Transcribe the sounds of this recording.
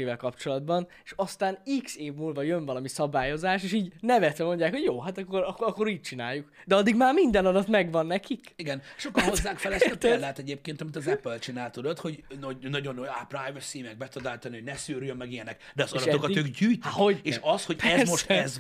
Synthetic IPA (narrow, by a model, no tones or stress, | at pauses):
eːvɛlkɒpt͡ʃo̞lɒd̪bɒn | eʃɒst̪aːnikseːvmuːlvɒjøɱvɒlɒmisɒbaːjo̞zaːʃeːʃiːɟnɛvɛt̪ɛmo̞ɲɟjaːkho̞ɟjoːɦat̪ɒkːoɾɒkːoɒkːo̞ɾiːc̚t͡ʃina̰ːjːukd̪ɛɒd̪ːiɡmaːrmind̪ɛnɒlɒt̪mɛɡvɒnːɛkikiɡɛnʃokːɒozːaːŋkfɛlɛst̪ɛlːɛt̪ɛɟeːp̚keːnt̪ɒmit̪ɒzɛpølt͡ʃinaːlt̪ud̪ot̪ho̞ɟnonɒɟo̞nːojaprajvɛsimɛɡ̚bɛt̪ɔd̪aːlt̪ɒnihoɟnɛsyːɾjømːɛɡijɛnɛk | d̪ɛɒzɒlʃɛodk̪iøɡɟyːjt̪hoɟeːʃɒsho̞ɟɛzmo̞ʃt̪ɛz